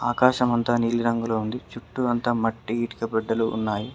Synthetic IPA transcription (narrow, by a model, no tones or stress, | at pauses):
aːkaːʃɐmɐnt̪aːniːliɾɐŋɡuloːund̪it͡ʃuʈːuɐnt̪aːmɐʈːiiːʈi̥kɐbɛɖːɐlṵːnːaːji